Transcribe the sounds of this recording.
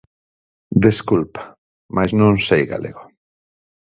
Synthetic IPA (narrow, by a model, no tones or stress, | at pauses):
d̪eskulpḁ | mʔajznõnsejɣa̰lḛɣo